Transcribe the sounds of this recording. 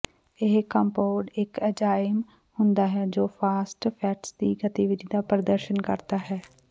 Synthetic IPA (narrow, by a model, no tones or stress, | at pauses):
ɪɦkəmpoːɖɪkəd͡ʒaːjəm | hʊnd̪aːɦɛːd͡ʒoːpʰaːsʈpʰɛːʈsd̪iːɡət̪iːʋɪd̪iːd̪aːpəɾd̪əɾʃənkəɾd̪aːɦɛː